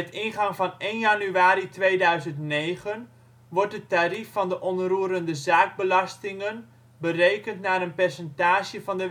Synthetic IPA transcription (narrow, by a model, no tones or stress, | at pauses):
mɛtɪnχɑŋvɑnenjɑnyaːɾitʋejdœɥzəntnejχən | ʋɔrt̚dətarifɑndəʔɔnruːɾəndəzaːɡ̚bəlɑstɪŋən | bərejkəntnaːɾənpɛrsəntaːʃəvɑndə